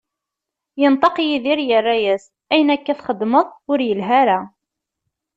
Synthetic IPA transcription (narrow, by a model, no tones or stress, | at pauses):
jənt̪ˤɑqjiðiɾjərːæjæs | æjənækːæθχəd̪məðˤʊɾjəlɦæɾa